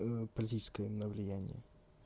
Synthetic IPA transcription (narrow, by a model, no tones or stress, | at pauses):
pəlʲɪtʲit͡ɕɪ̥skəjəmnəvlʲɪjænʲɪ̰jə